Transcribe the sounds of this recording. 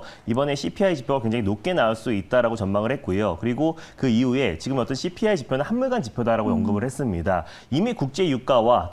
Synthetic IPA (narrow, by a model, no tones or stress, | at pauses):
ibʌne̞ɕʰipʰiait͡ɕipʰjoɡakweŋd͡ʑaŋinok̚k͈e̞naɯɭs͈uit̚t͈aɾaɡot͡ɕʌnmaŋɯɭhe̞t̚k͈ujokɯɾiɡokɯiue̞t͡ɕiɡɯmʌt͈ʌnɕʰipʰiait͡ɕipʰjonɯnhanmuɭɡant͡ɕipʰjodaɾaɡojʌŋɡɯmɯɭhes͈ɯmɲida | imikuk̚t͡ɕ͈e̞juk͈awat